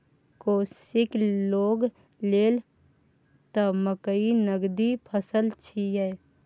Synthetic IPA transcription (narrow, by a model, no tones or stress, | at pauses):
koːsɪkloːɡ | leːl | t̪əməkəinəɡd̪ipʰəsəlt͡ʃʰijɛː